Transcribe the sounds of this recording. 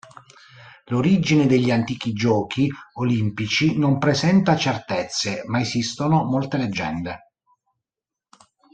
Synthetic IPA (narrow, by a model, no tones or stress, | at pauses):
loɾid͡ʒined̪eʎːiant̪iːk̟id͡ʒɔːkʰiolimpit͡ʃinompɾesɛnt̪at͡ʃert̪et̪sːemaesist̪onomolt̪eled͡ʒːɛ̰nd̪e